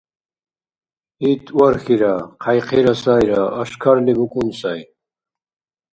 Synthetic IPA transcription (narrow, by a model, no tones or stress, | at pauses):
it̪ʼwaɾxiɾaqʰajqʰɛɾasajɾaːʃkʰaɾliɡukʼunsaj